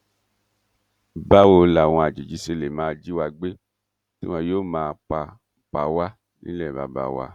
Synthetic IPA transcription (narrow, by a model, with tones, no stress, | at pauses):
ba˦wo˧la˨w̃ɔ̃˧a˨d͡ʒi˨d͡ʒi˨˦se˧le˨mãː˦˧d͡ʒi˦wa˧ɡ͡be˦ | ti˦w̃ã˧joː˦˨mãː˦˧k͡pa˧ | k͡pa˧wa˦ | nḭ̃˦lɛ˦˨ba̰˨ba̰˨wa̰˧